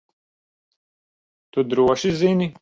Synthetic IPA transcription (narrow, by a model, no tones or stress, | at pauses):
t̪ud̪ɾuwɐɕizini